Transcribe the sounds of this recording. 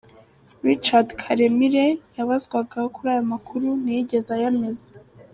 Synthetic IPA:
ɾit͡ʃadkʰaɾemiɾejaβazɡwaɡahokuɾaːjomakʰuɾunijiɟe̞zajameze

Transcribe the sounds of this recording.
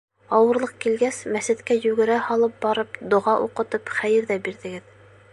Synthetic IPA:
ɑwɤ̆ɾlˠɤq̚kilɡæsmæsɘ̆t̪kæjʉɡɘ̆ɾæhɑlˠɤp̚bɑɾɤp̚d̪ŏʁɑʔuqɤ̆t̪ɤpχæjɘ̆ɾðæbiɾðɘ̆ɡɘð

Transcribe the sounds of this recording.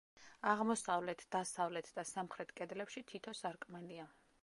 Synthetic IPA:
aʁmɔsavlɛt̪ʰd̪̥asavlɛt̪ʰd̪asamχɾɛt̪ʰkʼɛd̪lɛpʃit̪ʰit̪ʰɔsaɾkʼmania

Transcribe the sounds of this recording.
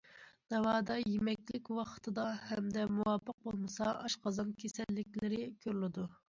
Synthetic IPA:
n̥ɑwɑːd̪ɑjemɛkʲlɪkʲwɑqə̥t̪ʰɨd̪ɑhɛmd̪ɛmuwɑpʰːəq̚bolˠmɨsɑɑʃqʰɑzɑnkʲʰesɛlːɪkʲlɪɾɪkʲʰøɾlɪd̪u

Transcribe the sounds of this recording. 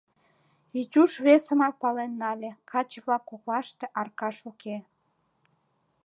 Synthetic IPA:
it̪ʲuʃβesəmɑpɑlenːɑlʲekʰɑt͡ɕβlɑkːoklɑʃt̪eʔɑrkɑʃuke

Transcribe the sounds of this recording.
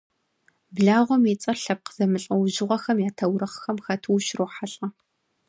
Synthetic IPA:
bɮaːʁʷɔmit͡sʼɐrɬɐp̚qəz̥ɐmɨɬʼɐwʒɪʁʷɔxɐmjaːtʰɐwɾɐχxɐmxɐtʰɨwʃroːħaɬʼɐ

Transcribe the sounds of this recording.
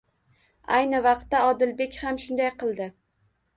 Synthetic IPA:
a̰jnɪvɑqt̪ːaɒd̪ɪlbe̞kʲhamʃʊnd̪ajqʰɨlˠd̪ɪ

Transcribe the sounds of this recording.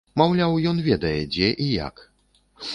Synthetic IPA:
mawlʲawjɔnvʲɛd̪ɛjɡd͡ʑɛʔija̰k

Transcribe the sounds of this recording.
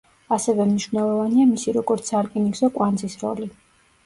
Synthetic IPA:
asɛvɛmniʃvnɛlˠɔvaniamisiɾɔɡɔɾt̪sʰaɾkʼiniɡzɔkʼwanzisɾɔ̰li

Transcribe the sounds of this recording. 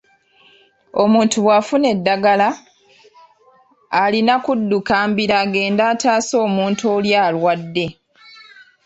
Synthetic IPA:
o̞muːntuβwafune̞dːaɡala | linakudːukaːmbiɾaːɡe̞ːndaːtaːso̞ːmuːnto̞ːljaːlwadːe̞

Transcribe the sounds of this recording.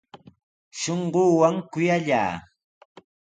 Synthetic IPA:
ʃoɴɢoːwaŋkʊjaʎa̰ː

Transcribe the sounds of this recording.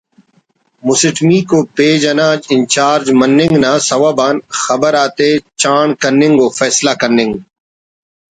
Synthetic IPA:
mʊsɪʈmiːkopeːd͡ʒɐnaːd͡ʒɪnt͡ʃaːɾd͡ʒmɐnːɪ̃ŋɡnaːsɐʋaːbaːnxɐbəɾaːt̪et͡ʃaːɳkɐɾnɪ̃ŋɡoːfɛːslaːkɐɾnɪ̃ŋɡ

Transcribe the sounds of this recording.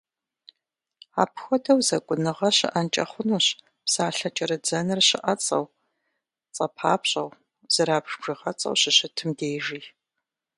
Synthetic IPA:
a̰ːpxʷɔdɐwzɐkʷʼʊnɨʁɐɕɪ̰ʔɐnt͡ʃʼɐ̰χʷʊnuːɕ | psaːɬɐt͡ʃʼɐɾɐd͡zɐnɨrɕɪ̰ʔɐt͡sʼɐ̰w | t͡sʼɐpʰaːpɕʼɐw | z̥ɐɾaːbʒbʒ̥ɨʁɐt͡sʼɐ̰wɕɪɕɪtʰɨmdeːʒiː

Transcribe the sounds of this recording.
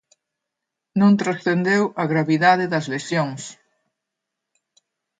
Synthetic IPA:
nõnt̪ɾasθend̪ewɐɣɾaβiðaðɪðɐzlesjoŋs

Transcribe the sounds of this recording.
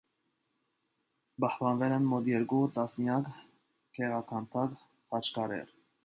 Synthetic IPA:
pɑhpɑnvɛlɛnmɔt̪jɛɾkut̪ɑsnjɑk | kʰɛʁɑkʰɑnt̪ʰɑk | hɑt͡ʃʰkɑɾɛ̰ɾ

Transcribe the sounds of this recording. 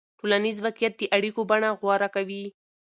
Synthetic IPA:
ʈolanizwaqijat̪̚d̪əʔaɽikobaɳaɣwɑɾakawi

